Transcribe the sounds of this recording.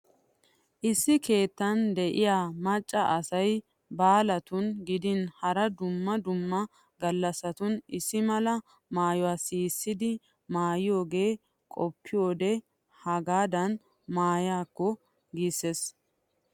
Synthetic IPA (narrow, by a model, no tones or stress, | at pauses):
ʔɪsːɪke̞ːt̪ːɐnd̪ɛʔɪjaːmɐt͡ʃʼːɐʔɐsɐj | baːlɐt̪ʊnɡɪd̪ɪnhɐɾɐd̪ʊmːɐd̪ʊmːɐ | ɡɐlːɐsɐt̪ʊnɪsːɪmɐlɐ | maːjɔwaːsiːsːɪd̪ɪ | maːjɪjo̞ːɡe̞ː | kʼɔpːɪjo̞ːd̪ɛ | hɐɡaːd̪ɐn | maːjaːkːɔ | ɡisːes